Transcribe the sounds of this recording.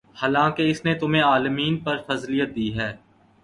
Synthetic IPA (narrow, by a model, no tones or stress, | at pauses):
haːlãːkeɪsnet̪ʊm̤ẽaːlmiːnpɐɾfɐzlijət̪̚d̪iːɦɛː